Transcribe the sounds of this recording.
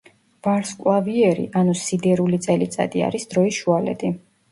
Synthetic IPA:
b̥aɾskʼlˠaviɛɾḭʔanusid̪ɛɾulit̪sʼɛlit̪sʼa̰d̪ia̰ɾisd̪ɾɔisʃualɛ̰t̪ʼi

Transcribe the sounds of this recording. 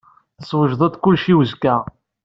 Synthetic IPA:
θəswəʒðˤɑd̪kʊlʃiwəzkæ

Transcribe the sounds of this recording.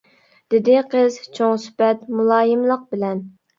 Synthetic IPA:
d̪̥ɪd̪ɪqʰəzt͡ʃʰoŋsy̥pɛt̪mulˠɑːjɨmlˠəq̚bɪlɛn

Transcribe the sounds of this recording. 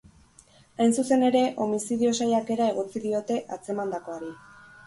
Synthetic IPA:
ajnsuse̞ne̞ɾe̞ʔo̞misiðio̞sajake̞ɾae̞ɣo̞t͡siðio̞t̪e̞ʔat͡se̞mand̪ako̞aɾi

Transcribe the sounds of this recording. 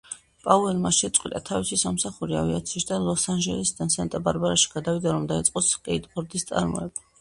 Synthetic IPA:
pʼauvɛlmaʃɛt̪sʼqʼwḭt̪ʼat̪ʰavisisamsaχuɾia̰via̰t̪sʰiːʃd̪alˠɔsanʒɛlɛsd̪ansant̪ʼabaɾbaɾaʃi̥ɡ̥ad̪avid̪aɾɔmd̪ait̪sʼqʼɔskʼɛid̪bɔɾd̪ist̪sʼa̰ɾmɔ̰ɛb

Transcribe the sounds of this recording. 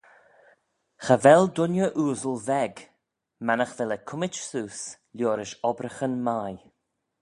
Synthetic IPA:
xəvɛld̪ʊnjəʔuːzəlvɛɡ | manəxvɛləkʰʊmɪt͡ʃsuːs | lʲjoːɾɪʃɔbɾəxənmaːj

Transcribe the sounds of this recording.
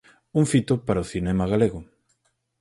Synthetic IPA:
uŋfit̪ʊpaɾaoθinɛmɐɣaleɣʊ

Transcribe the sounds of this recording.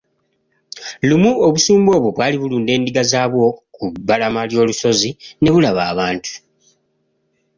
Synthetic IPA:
lumuoβusuːmbo̞ːβwo̞βwaːliβuluːnde̞ːndiɡazaːβwo̞kubːalamaljo̞ːluso̞zine̞βulaβaːβaːntu̥

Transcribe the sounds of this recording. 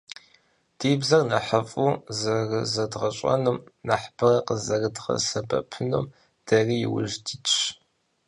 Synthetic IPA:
d̥iːbzɐrnɐħəfʼuzɐrɨzɐdʁɐɕʼɐ̰numnaħbʰɨrɐqəzɐrɨdʁɐ̰sɐbʼɐ̰pʰɨnum | d̥ɐrijɪ̰wʊʒdit͡ʃʰʼ

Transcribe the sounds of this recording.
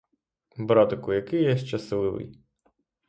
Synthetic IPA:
bɾɑt̪ɐkʊjɐkɪjɛʃt͡ʃɐslˠɪʋɪ̰j

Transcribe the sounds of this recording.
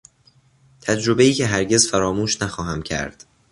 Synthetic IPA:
t̪ʰæd͡ʒɾo̞be̞iːcʰe̞ɦæɾɟe̞zfæɾɒːmuːʃnæxɒːɦæmcʰæ̰ɾd̪̥

